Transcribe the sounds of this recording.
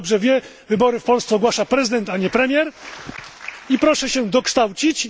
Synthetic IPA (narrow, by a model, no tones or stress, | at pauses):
bʐɛvʲjɛ | vɘbɔɾɘfpɔlst̪sɛɔɡwaʂapɾɛzɘd̪ɛnt̪aɲɛpɾɛmʲjɛɾ | ipɾɔʂɛɕɛd̪ɔkʂt̪awt͡ɕit͡ɕ